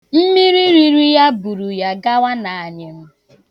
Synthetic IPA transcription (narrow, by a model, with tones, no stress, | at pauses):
m̩˦mi˦ɾi˦ɾi˦ɾi˦ja˦bu˨ɾu˨ja˦ɡa˦wa˦na˨a˨ɲɪ˨m̩˦